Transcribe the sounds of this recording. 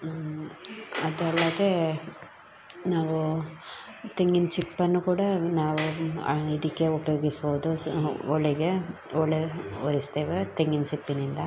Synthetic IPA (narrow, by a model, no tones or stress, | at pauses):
ɐd̪ɐlːɐd̪e | naːʋu | t̪eŋɡint͡ʃipːɐnːukuːɽɐnaːʋuid̪ikːeupɐjoːɡisɐboːd̪uɔɭɛɡe | ɔɭeoɾisd̪eːʋet̪eŋɡinsipːinind̪ɐ